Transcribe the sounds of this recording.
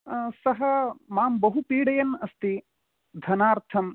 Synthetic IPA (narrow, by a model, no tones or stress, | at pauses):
sɐɦɐmaːmbɐɦupiːɽɐjɐnɐst̪i | d̪ʱɐnaːɾt̪ʰɐm